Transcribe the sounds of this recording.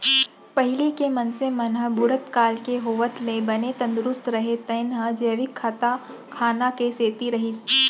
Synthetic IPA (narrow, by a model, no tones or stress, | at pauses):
pɐɦɪlikemɐnsemɐnɦəbʊɽət̪kaːlkeɦoːʋət̪mẽbɐnet̪ɐ̃nd̪ʊɾʊst̪ɾɐɦet̪ɐɪnɦəd͡ʒeːʋɪkʰːat̪a | kʰaːnakeseːt̪iɾɐɦɪs